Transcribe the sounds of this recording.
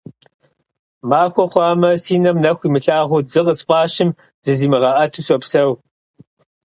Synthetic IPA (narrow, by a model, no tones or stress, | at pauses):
maːxʷɔχʷɑːmɐsiːnɐmnɐxʷimɨɬaːʁʷʊzɨqəspʷʼɑːɕɪm | zɨziːmɨʁɐʔɐtʰuɕʼɔpsɐw